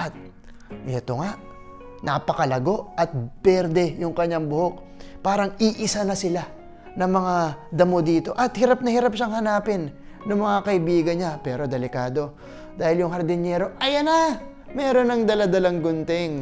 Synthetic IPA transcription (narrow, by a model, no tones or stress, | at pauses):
ʔɐt̪̚ | ʔɛt̪oŋaʔ | nʔɐpɐkɐlɐɡo̞ʔʔɐt̪̚pɛɾd̪ɛjʊŋkɐɲaŋbʊho̞k̚ | paːɾɐŋiʔɪsanɐsɪla | nɐŋmɐŋad̪ɐmod̪iːt̪o̞ʔɐt̪hɪɾap̚nɐhɪɾap̚ʃɐŋhɐnaːpɪnː | ɐŋmɐŋakɐʔɪbiːɡɐnɲapɛːɾo̞d̪ɛlɪkaːd̪o̞ | d̪aːhɪljʊŋhɐɾd̪ɪnjɛɾo̞ʔɐjɐna | mɛːɾo̞nɐŋd̪ɐlad̪ɐlaŋɡʊnt̪ɪŋ